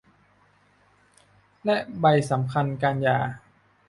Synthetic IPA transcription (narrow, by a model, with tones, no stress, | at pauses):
lɛ˦˥ʔba˧jsa˩˦mkʰa˧nkaː˧njaː˨˩